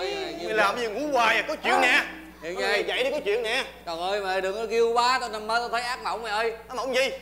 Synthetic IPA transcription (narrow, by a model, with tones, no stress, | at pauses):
i˧laː˨˩mzi˨˩ŋṵ˧˥kwaː˨˩jaː˨˩kɔ˨˦t͡ɕwḭ˧˨ənnɛ˨˩ | hḭ˧˨ən˨aː˧˩˨za̰˧˨˩jɗi˧˦kɔ˨˦t͡ɕwḭ˧˨ənnɛ˨˩kɔ˨˩ʔəː˧jma˨˩ɗɨ˨˩ək̚nɔ˨˦˩ki˧əwkwaː˨˦t̪o˧jna˧˩məː˨˦jt̪o˧jt̪ʰə˨˦jʔaː˦˥k̚nə̰˧˨wŋ͡mma˨˩ʔəː˧jmə̰˧˨wŋ͡mzi˧˩